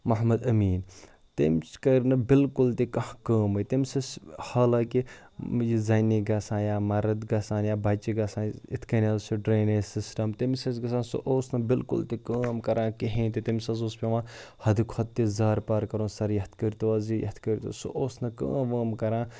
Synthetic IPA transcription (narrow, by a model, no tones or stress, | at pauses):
mɐɦmɐd̪ɐmiːn | t̪ḭmt͡ʃkɐɾnɐbɪlkʊlt̪ikɐhkəːmɐt̪imʲsɐshaːlaːki | jizaːniɡɐsãːnjaːmɐɾɐd̪ɡɐːsaːnjaːbɐt͡ʃiɡɐsãːnḭt̪ʰkɐnʲazsuɖɾeːneːsisʈɐmt̪imsɐsɡɐsãːnso̰ʔoːsnɐbɪlkʊ̰lt̪ikəːmkɐɾãːkiɦẽːnt̪it̪imʲsɐzoːspʲeʋãːhɐd̪ikʰhɐt̪̚t̪ːizaːɾpaːɾkɐɾõːsɐɾjɐht̪ʰkɐɾʲt̪uaːzijɐ̰t̪ʰkɐɾʲt̪o̰so̰ʔoːsnɐkɐ̰ːmʋɐːmkɐɾãː